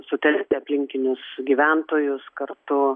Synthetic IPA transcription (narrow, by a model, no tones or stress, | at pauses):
sʊt̪ʲɛlʲt̪ʲɪɐpʲlʲɪŋʲkʲɪnʲʊsɡʲiːʋʲænt̪oːjʊskɐrt̪ʊ